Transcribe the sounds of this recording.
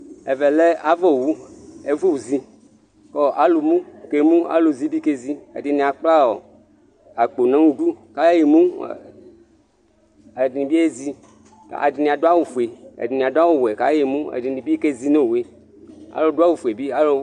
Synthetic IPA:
e˨vɛ˨le˦a˨vo˦˨wu˦e˨vu˦wu˨zi˦ | kɔ˦ʔa˨lu˨mũ˦ke˨mũ˦a̰˦lo˨zi˦bi˦ke˦zi˦ḛ˨di˨nĩ˨a˨k͡pla˦wɔ˨ | a˨k͡po˨nã˦ŋũ˦du˦ka˦jje˨mũ˦˨ | e˨di˨nĩ˨bi˦e˦zi˦˨ | a̰˨di˨nĩ˨a˨do˦a˦wo˨fu˨e˨ḛ˨di˨nĩ˨a˨do˦a˦wo˨we˨ka̰˦je˨mũ˦ḛ˨di˨nĩ˨bi˦ke˦zi˦no˦we˦ | a̰˨˦lo˦do˦a˦wu˨fu˨e˨bi˦a˨lo˦

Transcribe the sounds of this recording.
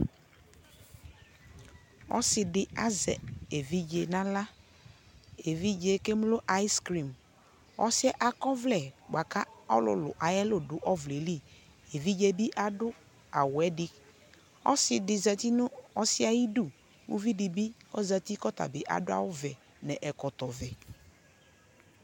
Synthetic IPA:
ɔ̰˦sɪ˨dɪ˨a˦zɛ̰˨e˨vi˦d͡ʒe˨nã˦la˦ | e˨vi˦d͡ʒe˨ke˦m˦lo˦ʔa˨˦jskɾi˨m | ɔ̰˦sɪ˦ɛ˦ʔa˨kɔ˦vlɛ˨ɡ͡ba˨ka˦ɔ˦lʊ̰˨lʊ̰˨ʔa˨jɛ˦lo˨dʊ˨ʔɔ˦vle˨li˦˨ | e˨vi˦d͡ʒe˨bi˦ʔa˦dʊ˦ | a˨wʊ˨ɛ˦dɪ˦ | ɔ̰˦sɪ˨dɪ˨za˨t̪i˦nʊ˦ɔ˦sɪ˦a˨ji˦du˦˨ | wṵ˦vi˦dɪ˨bi˦ɔ˦za˨t̪i˦kɔ˦ta̰˨bɪ˨ʔa̰˨dʊ˦a̰˨wʊ˦vɛ˨ | nɛ̃˨ʔɛ˨kɔ˨t̪ɔ˨vɛ˨

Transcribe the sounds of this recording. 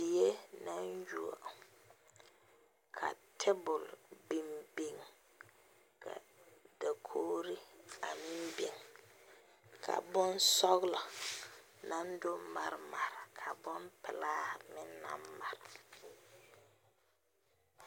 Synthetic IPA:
b̥i˨je˦na˦nju˦˨a̰˨ | kʰa̰˨tʰɛ˦bʊ˨lbi˨mbi˨ŋ | kʰa̰˨d̥a˨kʰoː˦ɾi˦a˨mɪ˦mbi˨ŋ | kʰa̰˨bɔ˦n˦sɔ˦ɣlɔ˨ | na˦n˦dʊ˦ma˨ɾma˨ɾɪ˨kʰa˨bɔ˦mpɪ˨laː˦hmɪ˦nː˦a̰˦mma˨ɾɪ˨

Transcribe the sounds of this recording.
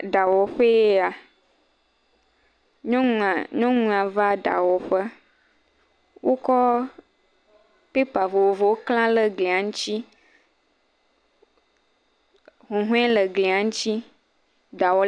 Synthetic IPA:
ɖa˨wɔ˨ɸe˦e˦a˨ | ɲɔ̃˦ŋũ˨ɲɔ̃˦ŋũ˦ã˨va˦ɖa̰˨wɔ˨ɸə˦ | wʔo˦kɔ˦ | pe˦pa˨vo˨wo˨vo˨wo˦kl̃ã˦lə˨ɡle˨a˨ŋũ˦t͡ɕi˦ | ɦũ˨ɦũ˦ɛ̃˦lə˨ɡle˨a˨ŋũ˦t͡ɕi˦ | ɖa˨wɔ˨

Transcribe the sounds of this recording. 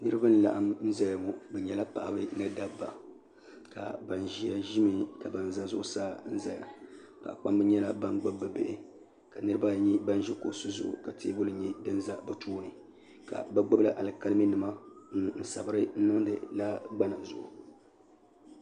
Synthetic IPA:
nɨ˦ɾɨ˦ba˦nɨ˨la̰˨ʔa˦mn̩˦za˦ja˨ŋɔ˨bɛ˨ɲɛ˨la˦pa̰˨ʔa˨bɨ˦nɨ˦da˦bːa˨ | ka̰˨ba˨nʒi˦a˨ʒi˦mɨ˦ka˨ba˨n˦za˦zʊ˦ʔʊ˦saː˦n̩˦za˨ja̰˨ | pa̰˨ʔa˨k͡pa˦mbɛ˦ɲɛ˦la˦ba˦nɡ͡bɨ˦bːɨ˨bɪ˦˨ʔɪ˦ | ka˨nɨ˦ɨ˦ba˦ɲi˦ba˦n˦ʒi˦ko˨su˦zʊ̰˦˨ʔʊ̰˨ka˨tʰeː˦bʊ˦lɨ˨˦ɲɛ˦dɨ˦n˦za˦bɛ˨tʰuː˦nɨ˨ | ka̰˨ba˦ɡ͡bʊ˦bla˦ʔa˨lɨ˨ka˦lɨ˦mi˦nɨ˨ma˦ŋ˦n̩˨sa̰˨bɨ˦ɾɨ˦n̩˦nɨ˦ŋ˦dɨ̰˨la˦ɡ͡ba˦na˨zʊ˨ʔʊ˨

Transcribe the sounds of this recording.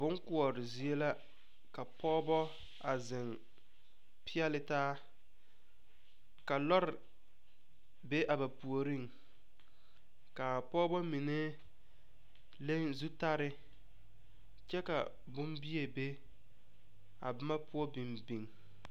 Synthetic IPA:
bʊ˦ŋkʊ˨ɔ˨ɾɪ˨zi˨e˦la˦ | ka˨pʰɔː˦bɔ˦ | a˨zɪ˨ŋ | pɪ˦ɛ˦lɪ˨taː˦ | ka˨lɔ˦ɾɪ˨ | be˦ʔa˨ba˨pu˨o˨ɾi˦˨ŋ | ka˨pɔː˦bɔ˦mi˨ne˦ | le˦nzu˦ta˦ɾɪ˦ | t͡ʃɛ˦ka̰˨ | bʊ˦mbi˦e˨be˦ | a̰˨bɪ˦ma˦pʊ˦ɔ˦bi˨mbi˨ŋ

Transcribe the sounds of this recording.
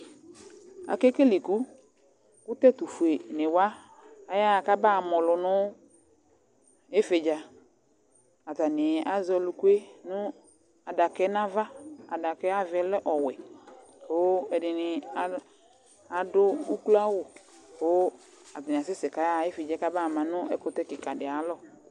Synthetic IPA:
a̰˨ke˦ke˦li˨ku˦ | ku˦t̪ɛ˦t̪u˨fu˨e˨ne˨wa˦ | a˨ja˦˨ka˦ba˦˨mɔ˨lʊ˨nʊ̃˦ | e˦fe˨d͡ʒa˨ | a˨t̪a˨nɪ˨a˨zɔ˨lu˨ku˦e˦nʊ̃˦ | a˨da˨kɛ˦nã˦va˦a˨da˨kɛ˦a˦vɛ˦lɛ˦ʔɔ˨wɛ˨ | o˦ɛ˨dɪ˨nɪ˨a˦ | a˨dʊ˦u˦ku˦la˦wʊ˨ | o˦ | a˨t̪a˨nɪ˨a˨sɪ˦sɪ˨ka˨ja˦˨˦e˦fe˨d͡ʒa˦ka˦ba˦˨mã˨nʊ˦ɛ˦kʊ˨˦t̪ɛ˦kɪ˨ka˨dɪ˨a˨lɔ˦˨

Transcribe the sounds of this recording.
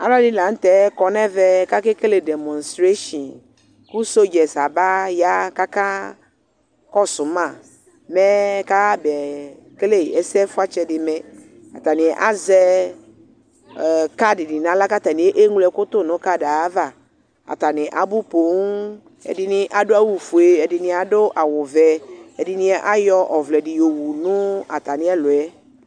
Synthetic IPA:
a̰˦ba˦dɪ˦la˨ŋ̩˦t̪ɛ˨˦kɔ˨nɛ̃˦vɛ˦ka˦ke˦ke˦le˨dɛ˨mɔ̃˨nst̪ɾe˦ʃɔ̃˨n | ku˦so˦d͡ʒɛ˨sa˨ba˦ja˦ka˦ka˦ | kɔ˦sʊ˨mã˦˨ | mɛ˦ka˦bɛ˨ | ke˦le˦˨ɛ˨sɛ˦fʊ˦a˦t͡ʃɛ˦dɪ˨mɛ̃˨ | a̰˨t̪a˨nɪ̃˨ʔa̰˦zɛ˦˨ | ka˦dɪ˨dɪ˨nã˨˦la˦ka˦t̪a˨nɪ̃˨e˦ʔe˦ŋulɛ˨kʊ˦t̪ʊ˦˨nʊ̃˨˦ka˦da˨˦va˦˨ | a̰˨t̪a˨nɪ̃˨ʔa˨bu˦po˨˦ŋ | ɛ̰˨dɪ˨nɪ˦ʔa˨dʊ˦a˦wu˨fu˨e˦ɛ˨dɪ˨nɪ̃˦a˨dʊ˦ʔa˨wʊ˨vɛ˨ɛ˨dɪ˨nɪ̃˦ɛ˦ʔa˦jɔ˦ʔɔ˨vlɛ˨dɪ˨jo˨wu˨nʊ̃˦a̰˨t̪a˨nɪ̃˦ɛ˦lʊ˨ɛ˦

